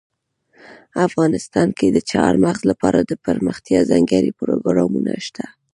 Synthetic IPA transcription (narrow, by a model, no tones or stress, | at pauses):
afɣɑnɪst̪ɑnked̪ət͡ʃɑɾmaɣzlapɑɾad̪əpəɾməxt̪jɑzaŋɡaɾipəɾoɡaɾamunaʃt̪ʰa